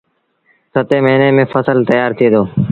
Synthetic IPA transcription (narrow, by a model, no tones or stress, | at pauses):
sət̪eːməiːneːmẽːfəsəlt̪əjaːɾt̪ʰiːd̪oː